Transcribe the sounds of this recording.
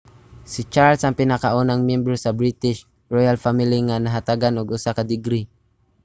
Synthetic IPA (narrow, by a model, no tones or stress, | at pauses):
sɪt͡ʃaɾlsɐŋpɪnakaʔunaŋmjɛmbɾosɐbɾit̪ɪʃ | ɹojalfamɪliŋanɐɦat̪aɡanʊɡʔʊsakɐd̪ɪɡɾi